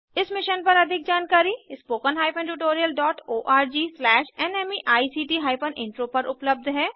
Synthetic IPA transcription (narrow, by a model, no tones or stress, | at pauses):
ɪsmɪʃənpɐɾɐd̪ʱɪk̚d͡ʒaːnkaːɾispoːkənɦaːɪpʰə̃nʈuːʈ̬oːɾijəlɖɔːʈoːʔaːɾd͡ʒiːslɛːʃɛːnɛːmiʔaːisiːʈiːɦaːɪpʰənɪ̰̃ɳʈɾopɐɾʔʊpləb̚d̪ʱɦɛː